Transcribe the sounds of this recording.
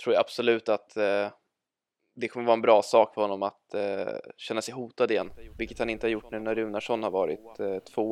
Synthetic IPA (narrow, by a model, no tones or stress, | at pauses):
t̪ʰɾuːɾjaab̥sɔlʉ̟ːt̪at̪ | d̪ɛkʰɔmːəvɑːɛnbɾɑːsɑːkfœɾhɔnːɔmat̪ | ɕɛnːasɛjɦuːt̪ad̪ɪjɛnːvɪlkːət̪hanɪnt̪əhaɾjʊʈːnnæɾʉ̟ːnaʂɔnhaɾvɑːɾɪ̰t̪ʰːvoː